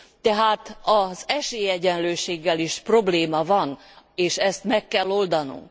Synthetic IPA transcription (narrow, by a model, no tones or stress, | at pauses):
t̪ɛɦaːt̪ɒzɛʃeːjɛɟɛnløːʃeːɡːɛliʃpro̞bleːmɒvɒn | eːʃɛst̪mɛkːɛlːo̞ld̪ɒnṵŋk